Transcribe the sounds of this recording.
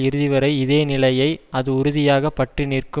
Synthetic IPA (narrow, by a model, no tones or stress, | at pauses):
ɪɾɯðɪʋɐɾɐɪɪðeːnɪlɐjɐɪɐðɯʊɾʊðɪjaːɣɐpɐʈrɪniːrkɯ